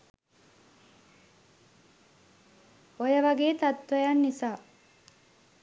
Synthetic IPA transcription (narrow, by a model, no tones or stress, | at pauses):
ojəʋaɡeːt̪at̪ʋəjanːisaː